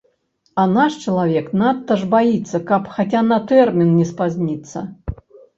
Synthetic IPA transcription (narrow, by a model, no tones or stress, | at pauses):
ɐnaʂt͡ʃɐlˠavʲɛknat̪ːɐʐbajit̪sːɐkɐpxat͡sʲanɐt̪ɛrmʲinnʲɛspazʲnʲit̪sːɐ̰